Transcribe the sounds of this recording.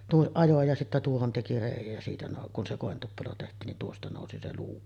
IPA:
tuoʔ ʔɑjo jɑ sitːæ tuohon teki reˑijˑæj jæ siːtæ noˑu kun se koˑentupːelo tehtˑiːn nin tuostɑ noˑusi se luː

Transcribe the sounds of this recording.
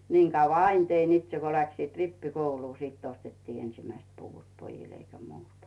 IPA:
niːŋ kɑuʋɑ ɑin tein itse ko læksiːt ripːikouluː sitː ostetːiː ensimæist puʋut pojil eikæ muːtɑ

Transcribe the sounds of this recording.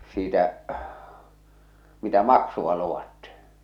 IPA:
siːtæ mitæ mɑksuʋ̆ɑ luwɑtːi

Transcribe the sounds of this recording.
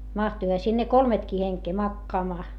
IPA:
mɑhtuihɑ sinːe kolmetkiː heŋkeː mɑkːɑːmɑː

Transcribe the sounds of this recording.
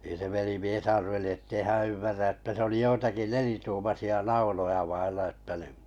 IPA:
nin̆ se ʋelimies ɑrʋeli etːei hæ̃ː ymːærːæ etːæ se oli joitɑki nelituːmɑsiɑ nɑulojɑ ʋɑilːɑ ĕtːæ ni

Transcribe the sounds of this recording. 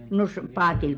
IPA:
no s pɑːtil

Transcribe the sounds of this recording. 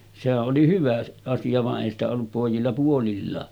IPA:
sehæʔ ʔoli hyʋæ ɑsijɑ ʋɑʔ ʔeˑi stæ olːup poˑijilːɑ puolilːɑː

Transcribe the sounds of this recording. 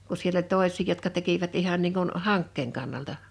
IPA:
ku sielː olʲ toˑesʲˑiː jotkɑ tekiʋæt ihɑn niːŋ kun hɑŋkːeːŋ kɑnːɑltɑ

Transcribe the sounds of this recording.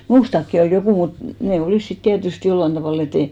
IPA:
muːstɑkːi ol jokuˑ mut neˑ oliˑs sit tiætyst jolːɑn tɑʋɑˑl et ei

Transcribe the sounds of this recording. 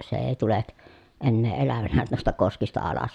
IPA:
se eˑi̯ tulek enːeː elæʋænæ nuistɑ koskistɑ ɑlɑs

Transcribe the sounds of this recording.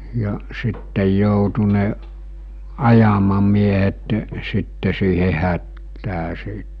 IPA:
jɑ sitːej joutu ne ɑjɑmɑmiehetĕ̥ sitːe siːhe hætːæː siˑt

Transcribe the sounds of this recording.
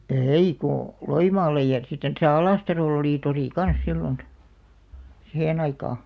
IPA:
ei ko loimɑːlːej jɑ sitːen tæsæ ɑlɑˑstɑroˑl oliˑ toriˑ kɑns silːon sihen ɑikɑˑ

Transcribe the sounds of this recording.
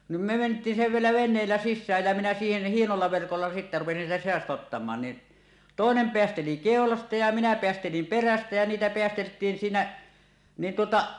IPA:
nim me mentˑiːn siʋielæ ʋenˑeːlːæ sisːæːj jæ minæ siːhen hienolːɑ ʋerkolːɑ sitːæ rupesin sieltæ seɑstɑ otːɑmɑːn ni toˑenem peæsteli keˑolɑstɑ jɑ minæ peæstelim peræstæ jæ niːtæ peæsteltˑiːn siːnæ nin tuotɑ

